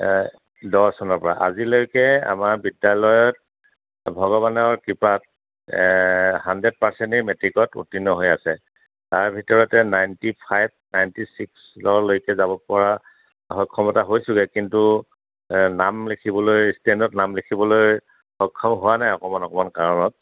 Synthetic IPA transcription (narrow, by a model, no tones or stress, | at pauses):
dɔsɔnɔɹpɔɹa̰ʔa̰zilojkɛa̰maɹbidjalɔjɔt̚ | bʱɔɡɔβanɔɹkipat | handɹed̚paɹsɛntiɹmetɹikɔtṵtinɔɦojasɛ | taɹbʱitɔɹɔtɛnajntipʰajb̚najntisikslɔɹlojkɛzabɔpɔɹa | hɔkʰːɔmɔtaɦojsʊɡɛkintu | namlekʰibɔlojstɛndɔtnamlekʰibɔloj | xɔkʰːɔmɦowanajɔkɔmanɔkɔmankaɹɔnɔt̚